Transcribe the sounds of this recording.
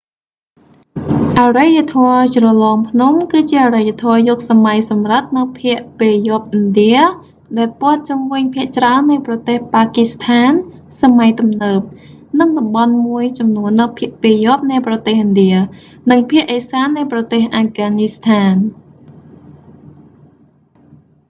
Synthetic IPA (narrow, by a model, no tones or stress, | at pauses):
ʔarajːat̪ʰɔət͡ɕrɑlɑːmpʰnumkɨːt͡ɕiəʔarajːat̪ʰɔəjɔːk̚samajsɑmrɨt̪̚nɨwpʰiəʔpeːjŏəp̚ʔɨnɗiə | ɗaɛlpŏət̪̚t͡ɕumʋɨɲpʰiəʔt͡ɕraənːɨjprɑt̪eːhpaːkist̪ʰaːn | samajt̪umnəːp̚ | nɨŋɗɑmɓɑnmuəjt͡ɕɑmnuənːɨpʰiəʔpeːjŏəp̚nɛəprɑt̪eːhʔɨnɗiə | nɨŋpʰiəʔəsaːnːɨjprɑt̪eːhʔaːɡaːnist̪ʰaːn